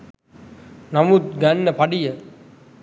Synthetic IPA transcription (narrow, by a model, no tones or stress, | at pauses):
nɐmut̪̚ɡænːəpɐɖijə